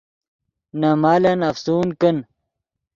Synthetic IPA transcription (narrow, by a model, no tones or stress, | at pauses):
nɐmaːlɐnɐfsuːnkɐn